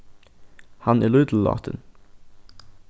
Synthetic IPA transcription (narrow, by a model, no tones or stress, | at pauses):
hɑnʔɪlʉːd̪l̩ːɑ̰ːt̪ʰə̰n